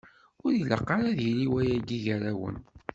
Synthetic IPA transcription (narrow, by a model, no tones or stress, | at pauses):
ʊɾjilə̰qːɑɾaðjiliwæjæɡiʝəɾæwə̰n